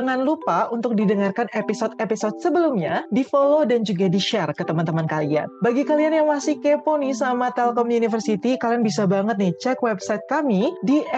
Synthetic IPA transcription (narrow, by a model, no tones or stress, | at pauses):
əŋanlupaunt̪ʊk̚didəŋarkanepisot̪episot̪̚səbəlumɲadifolodand͡ʒuɡadiʃɛrkət̪əmant̪əmankalia̰nbaɡikalianjaŋmasɪhkeponisamat̪ɛlkɔmjunifərsit̪ikalianbisabaŋət̪̚nit͡ʃɛkwɛbsajt̪̚kamidi